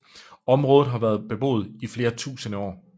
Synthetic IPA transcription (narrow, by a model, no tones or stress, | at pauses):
ɒ̽mʁɔːð̩ˠɦɑ̈ʋæːɐð̞ˠb̥e̝b̥o̝̰ːð̞̩ˠifle̝ːɐt͡sʰṵːsənəɒ̰ː